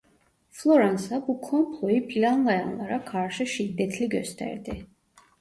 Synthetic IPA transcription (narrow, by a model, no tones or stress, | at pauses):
flˠɔɾansabukʰɔmpʰlˠɔipʰilʲanlˠajanlˠaɾakʰaɾʃiʃid̪ːɛt̪ʰliɡœ̰st̪ʰɛ̰ɾd̪i